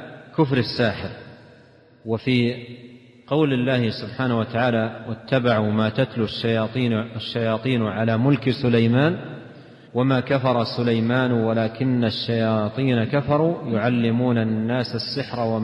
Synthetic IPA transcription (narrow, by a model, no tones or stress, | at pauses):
kʊfɾɪsːaːħɪɾ | wafiː | qɑwlɪlːaːhɪsʊbħaːnahwat̪aʕaːlawat̪ːabaʕuːmaːt̪at̪lʊʃːajɑːt̪ˤiːaʃːajɑːt̪ˤiːnʕalaːmʊlksʊlajmaːn | wamaːkafɑɾˤɑsʊlajmaːnwalaːkɪnːaʃːajɑːt̪ˤiːnakafɑɾˤuːjʊʕalːɪmuːnanːaːsasːɪħɾawa